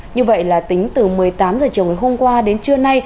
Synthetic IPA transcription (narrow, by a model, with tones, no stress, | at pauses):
ɲɨ˧və̰˧˨jlaː˨˩t̪ï˨˦ŋ̟t̪ɨ˨˩mɨ˨˩əjt̪aː˨˦mzəː˨˩t͡ɕi˨əwŋː˨˩ɦho˧mkwaː˧ɗe˨˦nt͡ɕɨ˧əna˧j